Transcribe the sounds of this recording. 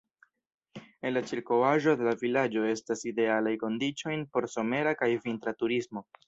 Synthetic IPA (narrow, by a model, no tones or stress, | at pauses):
e̞nlat͡ʃiɾko̞waʒo̞de̞lavilad͡ʒo̞e̞staside̞alajko̞ndit͡ʃo̞jnpo̞ɾso̞me̞ɾakajvintɾatuɾismo̞